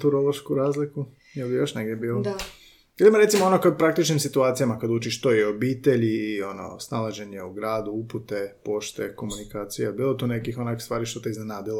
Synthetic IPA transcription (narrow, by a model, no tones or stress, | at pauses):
t̪uɾolˠoʃkuɾaːzliku | jelijo̞ʃneɡdʲjebiːlo | jelimoɾet̪simoonokoepɾak̚t̪it͡ʃnimsit̪uaːt̪sijamakad̪ut͡ʃiʃt̪oio̞biːt̪e̞ʎio̞no̰snalaʒe̞ɲeuɡɾaːd̪uuput̪e̞po̞ʃt̪eko̞munikaːt̪sijebiːlˠot̪uːne̞kixonako̥st̪ʋaːɾiʃt̪ot̪eiznenaːd̪ilo